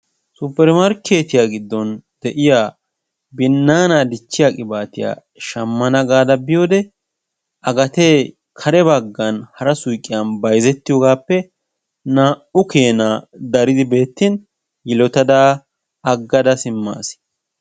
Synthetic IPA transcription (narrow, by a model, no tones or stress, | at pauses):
sʊpːɛɾmɐɾkʰe̞ːt̪ɪjaːɡɪd̪ːɔnd̪̥ɛʔɪjaː | bɪnːaːnad̪ɪt͡ʃːɪjaːkʼɪbaːt̪ɪja̰ː | ʃɐmːɐnɐɡaːd̪ɐbɪjo̞ːd̪ɛ | ɐɡɐt̪eː | kʰɐɾɛbɐɡːɐnhɐɾɐsʊjkʼːɪjɐnbɐjzɛt̪ːɪjoːɡaːpːɛ | naːʔʊke̞ːnad̪ɐɾɪd̪ɪbe̞ːt̪ːɪn | jɪlɔt̪ɐd̪aː | ɐɡːɐd̪ɐsɪmːa̰ːsɪ̥